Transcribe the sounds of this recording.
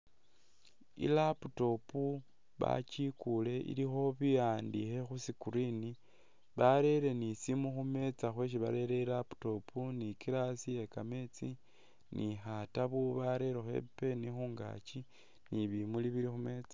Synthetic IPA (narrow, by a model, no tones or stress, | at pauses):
ḭlaputo̞pu | βa̰cikule̞ʔḭlixo̞βijandixe̞xusikuɾini | βaɾe̞ɾe̞nisimuxume̞t͡saxwe̞ʃ̬iβa̰ɾe̞ɾeilapu̥to̞pʰunikiɾasije̞kame̞t͡si | nʔixataβuβaɾe̞ɾexe̞̰pe̞nixuːŋɡa̰t͡ʃi | niβimuliβiɾixume̞t͡sḁ